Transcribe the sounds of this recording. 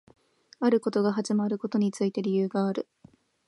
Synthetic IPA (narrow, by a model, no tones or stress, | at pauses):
aɾɯ̟ko̞t̪o̞ɡaɦaʑimaɾɯ̟ko̞t̪o̞ɲ̟it͡sɨit̪e̞ɾʲijɯːɡaːɾɯ̟